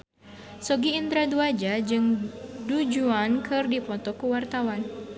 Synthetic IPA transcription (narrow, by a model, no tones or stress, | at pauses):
soɡiːnd̪ɾaduad͡ʒad͡ʒɨŋdud͡ʒuankʰɨrdipɔt̪ɔkəwart̪awan